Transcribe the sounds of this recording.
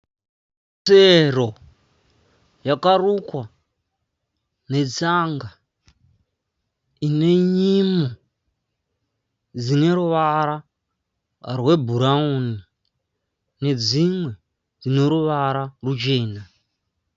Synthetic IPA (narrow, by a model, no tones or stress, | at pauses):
tero | jakarukwa | ne̞t͡saŋɡa | ine̞ɲimo | d͡zine̞ɾuʋaɾa | rwe̞bʱuɾaoni | ne̞d͡zimwe̞ | d͡zine̞ɾuʋaɾarut͡ʃe̞ːna